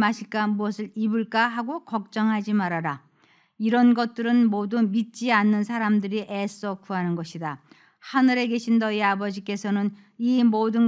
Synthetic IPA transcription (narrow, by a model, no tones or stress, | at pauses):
maɕʰiɭk͈amuʌsʰɯɾibɯɭk͈aɦaɡokʌk̚t͡ɕ͈ʌŋɦad͡ʑimaɾaɾa | iɾʌnɡʌt̚t͈ɯɾɯnmodumit̚t͡ɕ͈ianːɯnsʰaɾamdɯɾiʔes͈ʌkʰuɦanɯnɡʌɕʰida | hanɯɾe̞ɡe̞ɕʰinːʌiabʌd͡ʑik͈e̞sʰʌnɯn | imodɯn